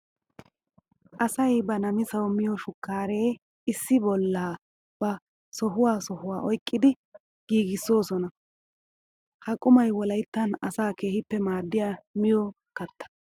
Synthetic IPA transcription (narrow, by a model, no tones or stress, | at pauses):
ʔɐsɐjbɐnɐmɪsɐwmɪjɔʃʊkːaːɾe̞ː | ɪsːɪbɔlːaː | b̥ɐ | sɔɦʊwaːsɔhʊwaːʔɔjkʼːɪd̪ɪ | ɡ̥iːɡɪsːo̞ːsɔnɐ | hɐkʼʊmɐjwɔlɐjt̪ːɐnɐsaːke̞ːhɪpːɛmaːd̪ːɪjaːmɪjɔ | kɐt̪ːɐ̥